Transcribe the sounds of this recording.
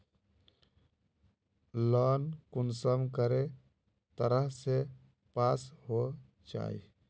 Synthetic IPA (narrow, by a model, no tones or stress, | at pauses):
lənkunsəmkəɾe | t̪əɾəɦse | pasɦo | t͡ʃa̰ḭ